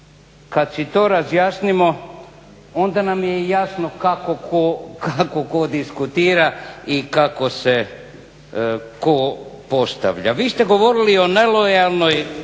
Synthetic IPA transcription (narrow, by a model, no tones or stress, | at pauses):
kad̪sit̪oːɾazjaːsnimo̞ | ond̪anamjejasnokakokʰokakokod̪iskut̪iːɾaikako̞se | kopo̞st̪a̰ʋʎa̰ʋiːst̪ɛɡo̞ʋo̞ɾilio̞ne̞lojalˠno̞j